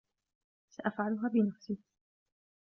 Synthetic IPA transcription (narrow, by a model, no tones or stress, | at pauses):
saʔafʕalʊɦaːbɪnafsiː